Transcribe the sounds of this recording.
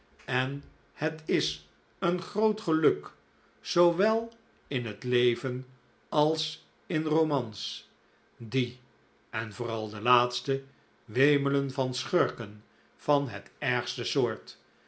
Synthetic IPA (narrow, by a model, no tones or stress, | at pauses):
ɛn | hətɪs | ənχrowtχəlɵk | zowʋɛlˠ | ɪnɦətlejvən | ɑlˠs | ɪnromɑns | di | ɛnvʊːrɑlˠdəlaːtstə | ʋejmələnvɑnsχøɹkən | fɑnɦə̰tɛɹχstəsʊːɹt